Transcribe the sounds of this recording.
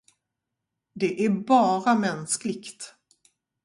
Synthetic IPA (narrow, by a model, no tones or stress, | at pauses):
d̪ɛʔæɾbɑːɾamɛnsklɪkt̪